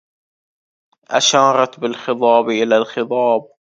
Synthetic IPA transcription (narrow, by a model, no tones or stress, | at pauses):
ʔa̰ʃɑːɾˤɑt̪bɪlxɨt̪ˤɑːbʔɪlalxɨt̪ˤɑːb̚